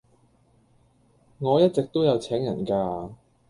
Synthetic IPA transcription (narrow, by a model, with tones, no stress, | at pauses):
ŋɔː˨˧jɐ˥t̚t͡sɪ˨k̚t̪o˥wjɐ˨˧wt͡sʰɛː˨˥ŋjɐ˨˩nkaː˧